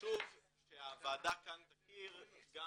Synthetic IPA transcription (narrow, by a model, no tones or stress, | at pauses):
tuv | ʃeavaːd̪akant̪akiʁɡa